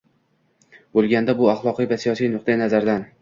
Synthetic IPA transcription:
bolˠɡʲand̪abʊɑχlˠɒqɨjvasijɒsijnʊq̚d̪anazaɾd̪an

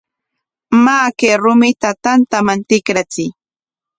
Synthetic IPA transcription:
maːkeːɾʊmɪt̪at̪ant̪amant̪ɪkɾat͡sɪj

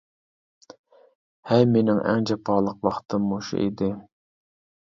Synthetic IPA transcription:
hæjmenɪŋʔæ̰ŋd͡ʒɛpʰɑːlˠəqwɑχt̪ʰɨmːoʃṵʔḭd̪ɪ

